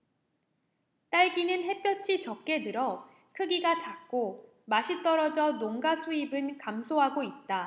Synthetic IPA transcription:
t͈aɭɡinɯnɦe̞p͈jʌt͡ɕʰit͡ɕʌk̚k͈e̞dɯɾʌ | kʰɯɡiɡat͡ɕak̚k͈o | maɕʰit͈ʌɾʌd͡ʑʌnoŋɡasʰuibɯnkamsʰoɦaɡoit̚t͈a

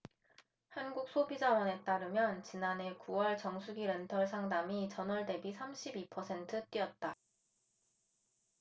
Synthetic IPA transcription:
hanɡuk̚s͈ʰobid͡ʑawʌne̞t͈aɾɯmjʌnt͡ɕinane̞kuwʌɭt͡ɕʌŋsʰuɡiɾe̞ntʰʌɭsʰaŋdamit͡ɕʌnʌɭde̞bisʰamɕʰibipʰʌsʰe̞ntʰɯt͈iʌt̚t͈a

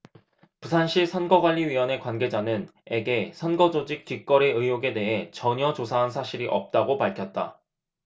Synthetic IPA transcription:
pusʰanɕʰisʰʌnɡʌɡwaʎːiɥiwʌne̞kwanɡe̞d͡ʑanɯne̞ɡe̞sʰʌnɡʌd͡ʑod͡ʑik̚t͈ik͈ʌɾe̞ɯjoɡe̞de̞ɦe̞t͡ɕʌɲʌt͡ɕosʰaɦansʰaɕʰiɾiʔʌp̚t͈aɡopaɭkʰjʌt̚t͈a̰

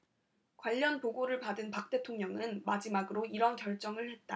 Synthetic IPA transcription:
kwaʎːʌnpoɡoɾɯɭpadɯnpak̚t͈e̞tʰoŋɲʌŋɯnmad͡ʑimaɡɯɾoiɾʌnkjʌɭt͡ɕ͈ʌŋɯɭhe̞t̚t͈a

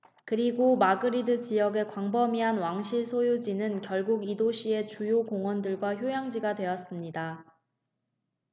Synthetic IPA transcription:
kɯɾiɡomaɡɯɾidɯt͡ɕijʌɡe̞kwaŋbʌmiɦanwaŋɕʰiɭsʰojud͡ʑinɯnkjʌɭɡuɡidoɕʰie̞t͡ɕujokoŋwʌndɯɭɡwaçjojaŋd͡ʑiɡadwe̞jʌs͈ɯmɲida

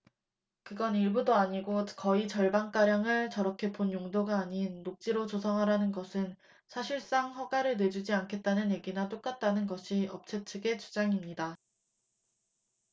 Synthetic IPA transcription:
kɯɡʌniɭbudoaɲiɡokʌit͡ɕʌɭbank͈aɾjaŋɯɭt͡ɕʌɾʌkʰe̞ponjoŋdoɡaːɲinːok̚t͡ɕ͈iɾot͡ɕosʰʌŋɦaɾanɯnɡʌsʰɯn | sʰaɕʰiɭs͈aŋɸʌɡaɾɯɭne̞d͡ʑud͡ʑiankʰe̞t̚t͈anɯnje̞ɡinat͈ok͈at̚t͈anɯnɡʌɕʰiʌp̚t͡ɕʰet͡ɕʰɯɡe̞t͡ɕu̥d͡ʑaŋimɲida

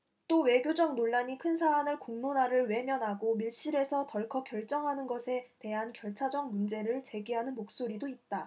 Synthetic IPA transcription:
t͈owe̞ɡjod͡ʑʌŋ̚noɭːaɲikʰɯnsʰaːnɯɭkoŋnonaɾɯɭwe̞mjʌnɦaɡomiɭɕ͈iɾe̞sʰʌtʌɭkʰʌkjʌɭt͡ɕ͈ʌŋɦanɯnɡʌsʰe̞te̞ɦankjʌɭt͡ɕʰad͡ʑʌŋ̚mund͡ʑe̞ɾɯɭt͡ɕe̞ɡiɦanɯnmok̚s͈oɾidoit̚t͈a

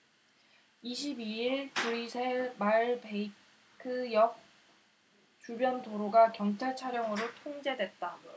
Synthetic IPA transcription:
iɕ̬ʰibiiɭkuɾisʰemaɭbei | kʰɯjʌk̚ | t͡ɕubjʌntoɾoɡakjʌŋt͡ɕʰaɭt͡ɕʰaɾjʌŋɯɾotʰoŋd͡ʑe̞dwe̞t̚t͈a

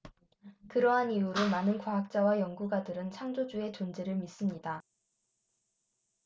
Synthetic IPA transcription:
kɯɾʌɦaniuɾomanɯnkwaɦak̚t͡ɕ͈awajʌŋɡuɡadɯɾɯnt͡ɕʰaŋd͡ʑod͡ʑue̞t͡ɕond͡ʑeɾɯɭmis͈ɯmɲida

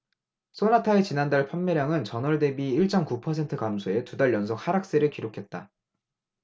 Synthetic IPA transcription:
s͈ʰonatʰaet͡ɕinandaɭpʰʌmːʌɾjaŋɯnt͡ɕʌnʌɭde̞biːɭt͡ɕ͈ʌmkupʰʌsʰe̞ntʰɯkamsʰoe̞tudaɭjʌnsʰok̚haɾak̚s͈eɾɯɭkiɾokʰe̞t̚t͈a

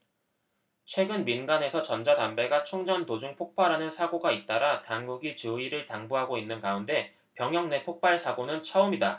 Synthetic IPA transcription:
t͡ɕʰwe̞ɡɯnminɡane̞sʰʌt͡ɕʌnd͡ʑadambe̞ɡat͡ɕʰuŋd͡ʑʌntod͡ʑuŋpʰok̚p͈ʰaɾanɯnsʰaɡoɡait̚t͈aɾataŋɡuɡit͡ɕɯiɾɯɭtaŋbuɦaɡoinːɯnkaunde̞ | pjʌŋɦjʌŋne̞pʰok̚p͈aɭsʰaɡonɯnt͡ɕʰaumida

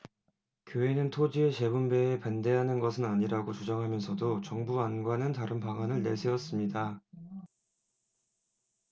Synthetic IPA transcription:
kjoe̞nɯntʰod͡ʑie̞t͡ɕe̞bumbe̞ːpande̞ɦanɯnɡʌsʰɯnaɲiɾaɡot͡ɕud͡ʑaŋɦamjʌnsʰʌdot͡ɕʌŋbuanɡwanɯntaɾɯnpaɡanɯɭne̞ɭsʰeʌs͈ɯmɲida

